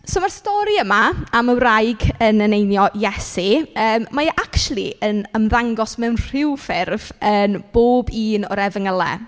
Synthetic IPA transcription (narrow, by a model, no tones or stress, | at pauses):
soːmarstɔɾiəmaaməwrajɡənənejnjɔjɛsiəːmːajʔakʃlˠiənəmðaŋɡɔsmɛwnr̥ɪwfɪrvənb̥oːbiːnɔ̰ɾɛvəŋəlˠɛ̰